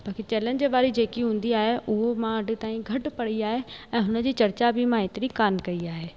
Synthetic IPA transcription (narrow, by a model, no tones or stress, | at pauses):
b̥aːkit͡ʃɛːlənd͡ʑeːbaːɾid͡ʒeːkiɦũːnd̪iaːɦeʔʊɦomãːɖt̪aːĩɡʱɐʈpɐɽiaːɦeɛ̃ːɦʊnd͡ʑiːt͡ʃɐɾt͡ɕabʱimãːɪ̃t̪ɾikaːnkɐiaːɦeː